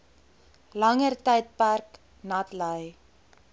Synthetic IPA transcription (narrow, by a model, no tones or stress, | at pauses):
lɐŋərtɛjt̚pærk | nɐtləj